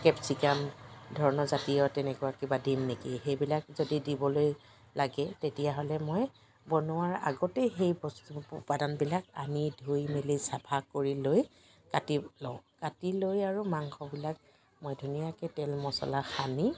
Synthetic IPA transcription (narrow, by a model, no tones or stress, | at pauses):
kɛpsikamdʱɔɹɔnɔzatijɔtɛnɛkʊakːibadinːekixejbilakzodidibɔloj | laɡɛtetijaɦɔlɛmoj | bɔnʊaɹa̰ɡɔtɛxejbɔstuʊ̰padanbilaka̰nidʱojmelisabʰʱakoɹiloj | katilɔ̃katilojaɹumaŋxɔbilak̚ | mojdʱunijakɛtɛlmɔsɔ̰laxani